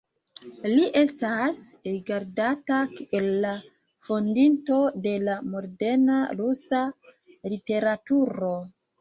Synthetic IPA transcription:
liʔe̞stas | ɾiɡaɾdatakelːa | fondinto̞de̞lamo̞ɾde̞naɾusa | lite̞ɾatuɾo̞

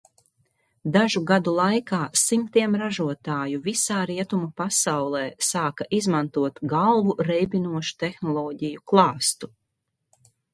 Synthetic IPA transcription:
d̪aʒuɡad̪ulˠajkaːsimt̪iɛmɾaʒuɔt̪aːjuvisaːɾiɛt̪umupasawlˠɛːsaːkaʔizmant̪uɔt̪ɡalˠvuɾɛjbinuɔʃu̥t̪exnɔlˠɔːɟijuklˠɑːst̪u

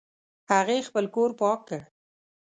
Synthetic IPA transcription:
haɣexpəlkoɾpɑkːəɽ

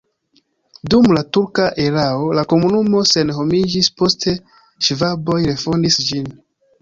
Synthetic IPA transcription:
dumlatuɾkaʔe̞ɾao̞lako̞munumo̞se̞nɦo̞mid͡ʒispo̞stʰe̞ | ʃvabo̞jɾe̞fondisd͡ʒin

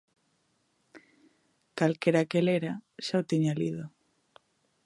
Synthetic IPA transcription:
kalkeɾakeleɾaʃaot̪iɲalḭðo

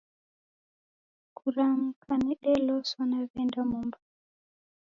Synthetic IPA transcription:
kʰuɾaŋ̩kʰanɛɗɛlɔsɔnaβɛndamumba

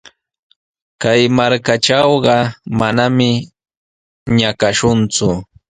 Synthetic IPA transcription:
kajmaɾkaʈ͡ʂɑwɢɑmanamɪ | ɲakaʃʊnt͡sʊ

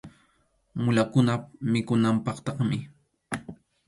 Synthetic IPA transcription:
mʊlakʊnamɪkʊnampɑχt̪ɑχmɪ

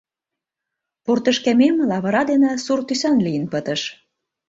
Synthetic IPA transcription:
port̪ə̆ʃkæmemlɑβɤ̆ɾɑd̪enĕsurt̪ysænlijənpə̆t̪ə̆ʃ

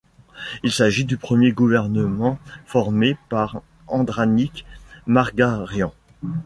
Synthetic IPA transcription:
ilsaʒid̪ypχəmjeɡuvɛʁnəmɑ̃fɔʁmepaʁ | ɑ̃d̪ʁanikmaʁɡaʁjɑ̃

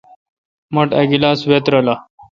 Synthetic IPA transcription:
məʈɐɡilaːsʋet̪ɾəla

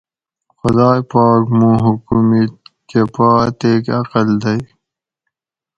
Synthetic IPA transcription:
xʊd̪aːjpɑːkmũːɦukumit̪kepaːt̪eːkɐqəld̪ɐji

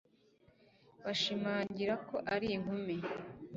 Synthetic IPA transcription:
waʃimaːɲɟiɾako̞ʔaɾiŋhume

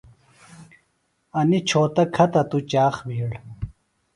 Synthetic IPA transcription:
ɐnit͡ɕʰoːt̪ɐkʰɐt̪ɐt̪ut͡ɕaːxbʱiːɽ

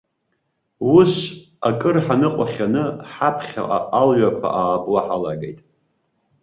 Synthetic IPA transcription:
wus | akʼɨrħanɨqʷʼaχʲanɨħapʰχʲa̰alɥakʷʰa̰ʔaːblaħalaɡejtʼ

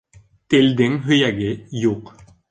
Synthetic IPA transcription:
t̪eld̪ɪŋɦɵjæɡɪjuq

